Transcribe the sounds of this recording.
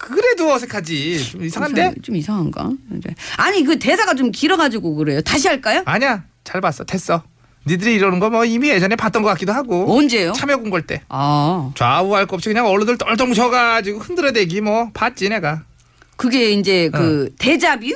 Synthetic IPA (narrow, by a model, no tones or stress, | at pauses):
kɯɾe̞doʌsʰekʰad͡ʑit͡ɕomisʰaŋɦande̞t͡ɕomisʰaŋɦanɡa̰d͡ʑḛaɲikɯte̞sʰaɡat͡ɕomkiɾʌɡad͡ʑiɡokɯɾe̞jotaɕ̬ʰiɦaɭk͈ajoaɲa | t͡ɕaɭbas͈ʌte̞s͈ʌ | nidɯɾiːɾʌnɯnɡʌmwʌimied͡ʑʌnepat͈ʌnɡʌkak͈idoɦaɡomʌnd͡ʑe̞jot͡ɕʰamjʌɡonɡʌɭt͈e̞at͡ɕwauɦaɭk͈ʌp̚ɕ͈ʰikɯɲaŋʌɭːondɯɭt͈ʌnɭt͡ɕʌmɡut͡ɕʌɡad͡ʑiɡohɯndɯɾʌdwe̞ɡimwʌpat̚t͡ɕ͈ine̞ɡa | kɯɡe̞ind͡ʑe̞kɯte̞d͡ʑabi